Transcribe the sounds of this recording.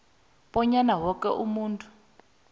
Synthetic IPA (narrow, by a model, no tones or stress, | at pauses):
ɓɔɲanawɔkɛ̰ʔumuːntʼu̥